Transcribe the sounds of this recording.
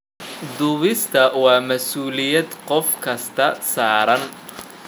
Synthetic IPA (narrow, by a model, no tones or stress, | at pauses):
d̪ʊβɪst̪ʰɐwɑːmɐsuːlɪjɐd̪qɔfkʰɐst̪ʰɐsaːɾɐn